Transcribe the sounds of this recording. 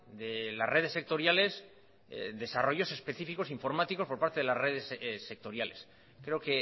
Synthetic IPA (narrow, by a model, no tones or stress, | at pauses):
d̪ela̰sre̞ð̞esːe̞k̚t̪o̞ɾjale̞s | ðe̞saro̞ʝo̞se̞spe̞θifiko̞siɱfo̞ɾmat̪iko̞spo̞ɾpaɾt̪eðelare̞ðessːek̚t̪o̞ɾjale̞s | kɾeoke